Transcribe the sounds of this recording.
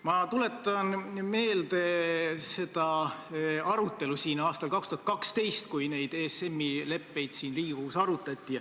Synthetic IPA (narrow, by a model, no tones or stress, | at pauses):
mɑt̪ule̞t̪ːˑɑnme̞ːld̪̥e̞se̞d̪̥ɑ | ɑɾut̪ːˑe̞lusiːnɑːst̪ɑlkɑkst̪uhɑt̪kɑkst̪e̞jst̪kujne̞jd̪̥ese̞mːile̞pːe̞jd̪̥siːnliːɡ̥usɑɾut̪ːˑɑt̪ʲːi